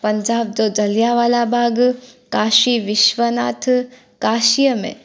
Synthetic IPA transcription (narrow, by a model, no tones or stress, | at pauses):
pɐɲd͡ʒaːb̚d̪oːd͡ʒɐljaʋaːlabʱaːɡkaːʃiʋɪʃʋəna̰ːt̪ʰ | kaːʃijəmḛ̃